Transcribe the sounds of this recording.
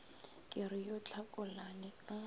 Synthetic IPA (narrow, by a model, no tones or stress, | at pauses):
kʼɪɾɪjot͡ɬʰakʼʊlanɪa